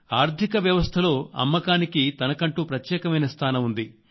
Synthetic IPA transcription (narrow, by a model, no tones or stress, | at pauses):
aːɾt̪ʰikɐʋjɐʋɐst̪ʰɐlo̞ːɐ̰mːɐkaːnikit̪ɐnɐkɐɳʈuːpɾɐt̪jɛːkɐmɐjnɐst̪ʰaːnɐmund̪i